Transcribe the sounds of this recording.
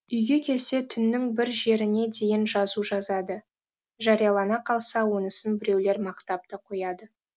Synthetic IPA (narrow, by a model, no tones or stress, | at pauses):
ʏjɡʲe̞kʲʰe̞lse̞t̪ʰʏnːɪŋbɪɾʒe̞ɾɪne̞d̪e̞jɪnʒɑzuʒɑzɑd̪ə | ʒɑɾijɑlˠɑnɑqʰɑlˠsɑwo̞nəsənbɪɾe̞wle̞ɾmɑqt̪ɑp̚t̪əqʰo̞jɑd̪ə